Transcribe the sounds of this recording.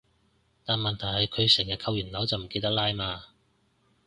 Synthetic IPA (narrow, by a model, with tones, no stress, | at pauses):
t̪aː˨nmɐ˨nt̪ʰɐ˨˩jhɐ˨jkʰɵ˨˧ɥsɛː˨˩ŋjɐ˨t̚kʰɐ˧wjyː˨˩nlɐ˨˥wt͡sɐ˨wm̩˨˩ke˧t̪ɐ˥k̚laː˥jmaː˧